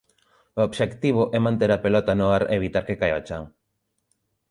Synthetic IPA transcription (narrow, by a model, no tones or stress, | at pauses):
oobʃekt̪iβ̞ʊʔɛmãnt̪eɾapelɔt̪anoaɾḛːβ̞it̪aɾkekajat͡ʃaŋ